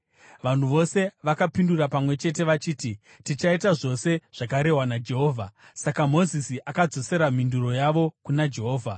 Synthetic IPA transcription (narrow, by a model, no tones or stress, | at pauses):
ʋan̤uʋo̞se̞ʋakapindurapamwe̞t͡ʃe̞te̞ʋat͡ʃiːti | tit͡ʃaitaʐo̞se̞ʐ̥akaɾe̞ɦwanad͡ʒe̞ɦo̞ːvʱa | sakamo̞zisiʔakad͡zo̞se̞ɾam̤induɾo̞jaʋo̞kunad͡ʒe̞ɦo̞ːvʱa